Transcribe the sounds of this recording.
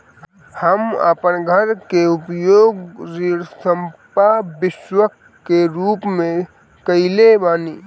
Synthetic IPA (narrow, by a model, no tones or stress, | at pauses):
həmə̰pənɡʱəɾkeʊpjoːɡɾiːɽsəmpabɪʃwəkː | eɾuːpmẽ | kəɪlebaːniː